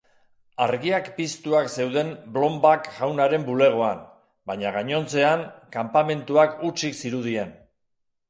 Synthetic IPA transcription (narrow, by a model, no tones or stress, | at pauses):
aɾɣiakpist̪uakse̞wðe̞nblo̞mbakʝawnaɾe̞mbule̞ɣ̞o̞an | baɲaɣaɲo̞nt͡se̞aŋkampame̞nt̪uakut͡ʃiksiɾuð̞ie̞n